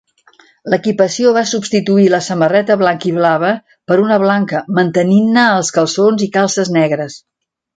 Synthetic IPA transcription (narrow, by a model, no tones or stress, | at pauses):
ləkipəsioβasubst̪it̪uiləsəmərɛt̪əβlaŋkiβ̞laβ̞ə | pəɾunəβlaŋkəmənt̪əninːəːlˠskəlˠsonzikalˠsəznɛɣɾəs